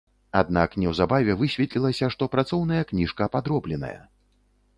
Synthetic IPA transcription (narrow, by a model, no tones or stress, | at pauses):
ad̪̚naknʲɛwzabavʲɛvɨsʲvʲɛt̪lʲilˠɐsʲɐʂt̪ɔpɾat̪sɔwnɐjɐknʲiʂkɐpad̪ɾɔblʲɛnɐ̰jɐ̰